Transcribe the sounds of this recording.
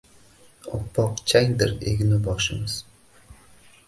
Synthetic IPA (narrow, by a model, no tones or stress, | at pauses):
ɒpʰːɒqt͡ʃʰaŋd̪ɪɾḛɡʲnɪbɒʃɪmɪz̥